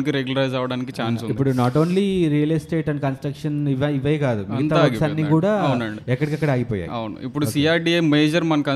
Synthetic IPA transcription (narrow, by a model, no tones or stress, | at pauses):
nikiɾeɡjulɐɾɐjd͡ʒaːʋɐɽaːnikit͡ʃaːnsunipːuɽunaːʈoːnliɾijɐlɐsʈe̞ːʈɐɳɖkɐnsʈɾɐkʂɐniʋɐiʋɐjkaːd̪umiɡɐnt̪aɐksɐnːikuːɽaːɐwnɐɳiɛkːɐɽikɐkːɐɽaːɡipɔːja̰ːjɐ̰wunṵipːuɽusiaːɾʈiɐmeːd͡ʒɐɾmɐnɐkɐ